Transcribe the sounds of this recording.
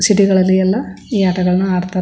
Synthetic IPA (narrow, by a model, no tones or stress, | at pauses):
siʈiɣɐɭɐlijɐlːɐ | iːɐʈɐɣɐɭnuaːɾt̪ːɐ